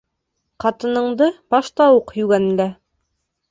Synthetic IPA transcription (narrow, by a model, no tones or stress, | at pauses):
qɑt̪ɤ̆nɤ̆ɴd̪ɤb̥ɑʃt̪ɑwuqjʉɡænɘ̆læ